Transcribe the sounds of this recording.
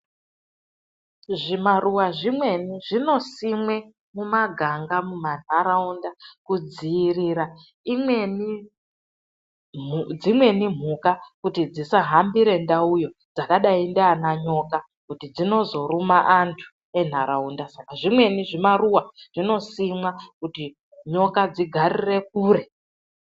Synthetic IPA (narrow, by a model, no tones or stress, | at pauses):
ʐimaruwaʐimwe̞niʐino̞simwe̞ | mumaɡʱaŋɡamuman̤aɾaundakud͡ziːriːɾa | imweni | d͡zimwe̞nim̤ukakutid͡zisaɦambiɾe̞ndaujo̞d͡zakaɗaindeanaɲo̞ka | kutid͡zino̞zo̞ɾumaʔantʰu̥ | e̞n̤aɾaundasakaʐimwe̞niʐimaruwaʐ̥ino̞simwakuti | ɲo̞kad͡ziɡʱarire̞k̚uːre̞